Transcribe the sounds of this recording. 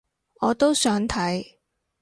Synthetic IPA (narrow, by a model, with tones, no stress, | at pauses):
ɔː˨˧t̪o˥wsœː˨˥ŋt̪ʰɐ˨˥j